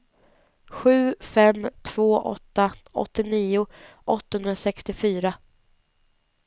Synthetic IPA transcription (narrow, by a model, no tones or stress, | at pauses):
ɧʉ̟ːfɛmt̪ʰv̥oːʔɔ̰t̪ːaʔɔ̰t̪ːɪniːʊʔɔt̪ːahɵnɾasɛkst̪ɪfyːɾa